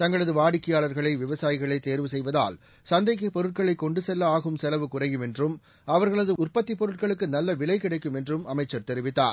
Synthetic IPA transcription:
t̪ɐŋɡɐɭɐðɯʋaːɽɪkːɪjaːɭɐɾɣɐɭɐɪʋɪʋɐsaːjɪɣɐɭɐɪt̪eːɾʋɯsɛjʋɐða̰ːl | sɐnd̪ɐɪkːɐpɔɾɯʈ̚kɐɭɐɪkːɔɳɖɯsɛlːɐaːɣɯmsɛlɐʋɯkʊrɐjɯmɛndrɯm | ɐʋɐɾɣɐɭɐðɯʊrpɐt̪ːipɔɾɯʈ̚kɐɭɯkːɯnɐlːɐʋɪɭɐɪkːɪɽɐɪkːɯmɛndrɯmɐmɐɪt͡ʃːɐɾt̪ɛɾɪʋɪt̪ːa̰ːɾ

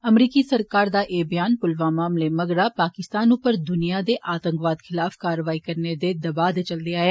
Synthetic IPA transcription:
əmɾiːkiːsəɾkaːɾd̪aːʔeːbɪjaːnpʊlʋaːmaːmleːməɡɾaːpaːkɪst̪aːnʊpəɾd̪ʊnijaːd̪eːʔaːt̪ə̃ŋkʋaːd̪xʰɪlaːfkaːɾəʋaːiːkəɾneːd̪eːd̪əbaːd̪t͡ʃəld̪eːaːeː

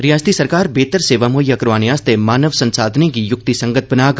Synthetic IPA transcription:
ɾijaːst̪isɐɾkaːɾbeːt̪əɾseːʋamoːjakɐɾʋaːneaːst̪emaːnəʋsɐ̃nsaːd̪ʱnekijʊk̚t̪isɐ̃ŋɡət̪̚ʰbɐnaːk

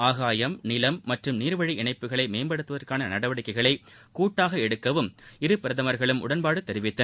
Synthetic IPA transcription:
aːɣaːjɐmnɪlɐmːɐʈrɯmniːɾʋɐɻiʔɪɳɐɪpːɯɣɐɭɐɪmeːmbɐɽɯt̪ːɯʋɐðɐrkaːnɐnɐɽɐʋɐɽɪkːɐɪɣɐɭɐɪ | kuːʈːaːɣɐɛɽɯkːɐʋɯmɪɾɯpɪɾɐðɐmɐɾɣɐɭɯmʔʊ̰ɽɐnpaːɽɯt̪ːɛɾɪʋɪt̪ːɐ

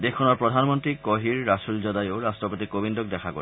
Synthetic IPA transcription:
d̪ekʰːɔnɔɾpɹod̪ʱanmɔnt̪ɾikoɦiɾːasuld͡ʑɔd̪ajoɾasʈɔpot̪ikobind̪ok̚d̪ɛkʰako̰

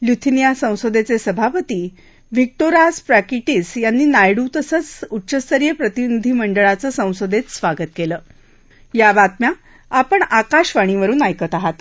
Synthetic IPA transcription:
ljut̪ʰinijasə̃w̃sod̪ʱet͡sesəbʱapət̪iː | ʋik̚ʈoɾaspɾækiʈiːsjanːiːnajɽut̪əsət͡sutːɕəst̪əɾjəpɾət̪inid̪ʱiːməɳɖəɭat͡səːsə̃w̃sod̪ʱet͡ssʋaɡət̪keləː | jabat̪mja | apəɳakaɕʋaɽ̃iʋəɾuːnajkət̪aɦat̪

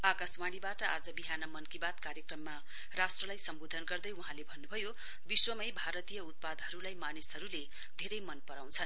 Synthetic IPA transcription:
akasmaɽibaʈʌad͡zʌbiɦanʌmʌnkibat̪kaɾjekrʌmːa | rasʈrʌlajsʌmbod̪ʱʌnɡʌrd̪ʌjuɦãlebʱʌnːubʱʌjo | biswʌmʌjbʱaɾʌt̪ijʌut̪̚pad̪ɦʌɾulajmanisɦʌɾule | d̪ʱeɾʌjmʌnpʌɾaw̃nt͡sʰʌn

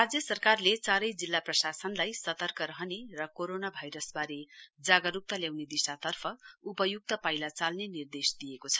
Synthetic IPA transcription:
rad͡zjʌsʌrkarlet͡saɾʌjd͡zilːaprʌsasʌnlajsʌt̪ʌrkʌɾʌɦʌnerʌkoɾonabʱajɾʌsbaɾed͡zaɡʌɾuk̚t̪ʌljawned̪isat̪ʌrpʰʌupʌjuk̚t̪ʌpajlat͡salnenird̪esd̪ijekot͡sʰʌ̥

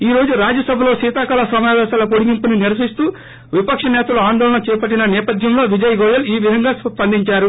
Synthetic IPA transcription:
iːɾo̞ːd͡ʒuɾaːd͡ʒɐsɐbʱɐlo̞ːsiːt̪aːkɐːlɐsɐmjaːʋɛːsaːlɐpoɽiɡimpuniniɾɐs̬ɐist̪uː | ʋipɐkʂɐnɛːt̪ɐluaːnd̪ɔːlɐnɐt͡ʃɛːpɐʈ̬ːinɐnɛːpɐd̪ʱjɐmlo̞ːʋid͡ʒɐjɐɡɔːjɐliːʋid̪ʱɐŋɡaːspɐnd̪iɲt͡ʃaːɾu

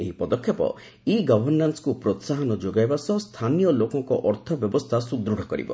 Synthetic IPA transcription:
eɦipɔd̪ɔkʰːjɔpɔ̰ | iɡɔbʱɔɾnanskupɾot̪saɦɔnɔd͡ʒoɡajbasɔst̪ʰanijɔlokɔŋkɔʔɔɾt̪ʰɔbjɔbɔst̪ʰasud̪ɾuɽ̤ʱɔkɔɾḭbɔ̰

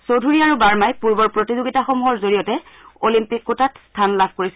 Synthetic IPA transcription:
sodʱuɹiaɹubaɹmajpuɹbɔɹpɹotizoɡitaxomuɦɔɹzoɹijɔtɛ | olimpikːutatstʰanlabʱkoɹisɛ

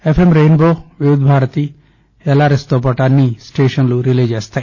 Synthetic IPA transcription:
epʰemɾenboʋiud̪ʱbʱaːɾət̪i | ɛlaɾest̪ɔpɔʈanːisʈeːʃɔnluɾiled͡ʒɛst̪ʰa

